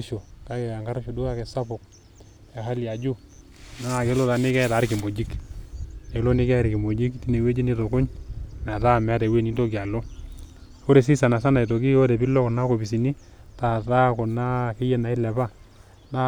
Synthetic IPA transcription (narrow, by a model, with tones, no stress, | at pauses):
ʃo˨ka˦kɛ˨a˨ŋɡa˦ɾʃo˨du˦ka˦kɛ˨sa˦pʊ˨k̚ | a˨ha˦lja˨d͡ʒu˦ | na˦˨ke˦lo˦ta˨nɪ˦kɛ˦taː˨˦ɾkɪ˨mo˨d͡ʒi˦k | ne˨˦lo˦nɪ˦kɛ˦˨ɾkɪ˨mo˨d͡ʒi˦kti˦ne˨we˦d͡ʒi˦ni˦to˨kʊ˦ɲma˨ta˦˨m˨a˦tɛ˨we˦˨ni˦nto˦kɪ˨a˨lo˦ | fo˦ɾe˨s̬i˦sa˨na˨sa˦na˨i˨to˨ki˦o˦dɛ˨pɪ˦lɔ˦kɔ˨na˦ko˨pi˨s̬i˨ni˦ | ta˨ta˦kɔ˨na˦ke˦jɛ˨na˨ɪ˦lɛ˨ba˦ | na˦